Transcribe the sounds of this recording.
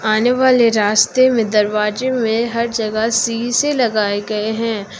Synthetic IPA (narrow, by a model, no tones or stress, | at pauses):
aːneʋaːleɾaːst̪emẽd̪ɐɾʋaːd͡ʒemẽɦɐɾd͡ʒɐɡəsiːselɐɡaːeɡɐeɦɛ̃ː